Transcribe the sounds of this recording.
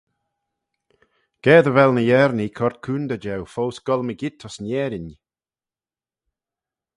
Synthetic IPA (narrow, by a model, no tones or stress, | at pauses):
ɡ̥ɛːd̪əvɛlnəjɛɾnikʰɔɾt̪̚kʰuːnd̪əd͡ʒɛwfowsɡ̥ɔlˠməɡɪt̪ʰɔsnjɛːɾɪn